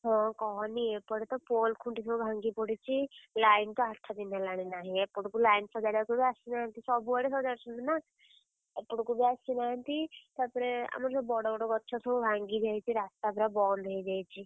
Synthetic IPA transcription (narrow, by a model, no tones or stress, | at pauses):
ɦɔ̃kɔɦɔniepɔɽet̪ɔpoːlkʰuɳʈisɔbubʱãːŋɡipɔɽit͡ʃʰilaːɪnt̪ɔaʈʰːad̪inalaɽ̃enaːɦĩepːuɽkulaːɪnsɔd͡ʒaːɽjakubʱiasinaɦnt̪isɔbuɔɽes̬ɔd͡ʒaɽsund̪ina | epːuɽkubʱiasinaːnt̪it̪apɾea̰mɾsɔbbɔɽobɔɽokɔtːʃʰɔsɔubʱãŋɡid͡ʒajt͡ʃʰiɾaːst̪apɾabɔːnd̪ʱeid͡ʒajt͡ʃʰi